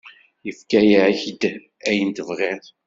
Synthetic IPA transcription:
jəfkæjiʕçd̪ | æjənt̪əvʁeθ

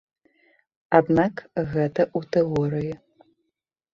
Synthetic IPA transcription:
ad̪nakɣɛt̪ɐʔut̪ʰeɔɾɨji

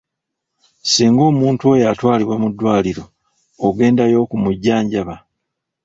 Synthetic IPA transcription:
siːŋɡo̞ːmuːntuo̞jatwaːliβwemudːwaːliɾo̞ː | ɡe̞ːndajo̞ːkumuɟːaːɲɟaβa

